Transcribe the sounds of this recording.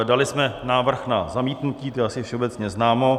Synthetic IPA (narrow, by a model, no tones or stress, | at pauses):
dalɪsmɛnaːvr̩xnazamiːt̪nuciːt̪ojɛʔasɪfʃɛobɛt͡sɲɛznaːmo̞